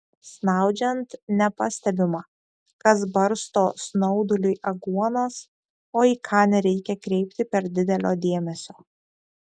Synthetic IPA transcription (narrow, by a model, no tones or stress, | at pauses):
snɑˑʊd͡ʒʲɛnt̪nʲɛpɑsʲt̪ʲɛbʲɪmɑː | kɐsbɐɾst̪oːsnɒʊd̪ʊlʲʊjʔɐɡuɔnɐs | oːiːkʰɑːnʲɛɾʲɛɪkʲɛkɾʲɛɪpʲt̪ʲɪpʲɛɾd̪ʲɪd̪ʲɛlʲoːd̪ʲeɛmʲɛsʲoː